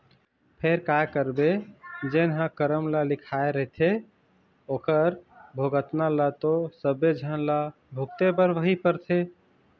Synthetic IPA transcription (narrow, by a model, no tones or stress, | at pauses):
pʰeɾkakəɾbed͡ʒenɦãkəɾəmlalikʰaeɾəɦt̪ʰe | okəɾbʱoɡət̪nalat̪osəbːed͡ʒʱənla | bʱuk̚t̪ebəɾʋəɦipəɾt̪ʰe